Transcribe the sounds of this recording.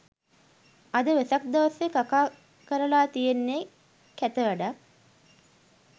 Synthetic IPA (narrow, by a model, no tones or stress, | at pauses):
ɐd̪əʋesɐk̚d̪aʋɐsʋekakaː | kəɾəlaːt̪ijenːe | kæt̪əʋɛɖa